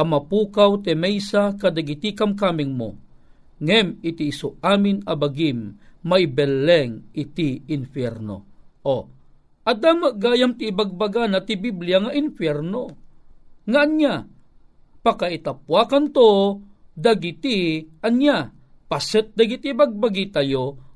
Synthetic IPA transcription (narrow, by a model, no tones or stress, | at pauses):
ʔɐmapuːkawt̪ɛmɛjsakad̪aɡit̪ikamkaːmɪŋmo̰ | ŋɛmɪt̪iːsoaːmɪnabaɡimːaʔibɛlːɛŋɪt̪iːnfjɛɾno̰ʔo | ʔad̪aːmaʔɡaːjamt̪iːbaɡ̚baɡanɐt̪ibiblijaŋaʔinfjɛɾno | ŋaʔːnɲa | pakait̪apwakant̪od̪aɡit̪ianja | pasət̪̚d̪aɡit̪ibaɡ̚baɡit̪ajo